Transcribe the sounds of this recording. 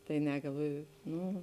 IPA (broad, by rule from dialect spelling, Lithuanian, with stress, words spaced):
tɐɪ ˈnʲɛ ɡɐlˠˈʋoːjʊ ˈnuː